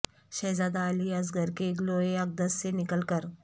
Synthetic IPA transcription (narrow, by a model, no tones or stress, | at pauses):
ɕəzad̪aːliad͡zɡʱəɾkeːkloeək̚d̪əsːenikəlkəɾ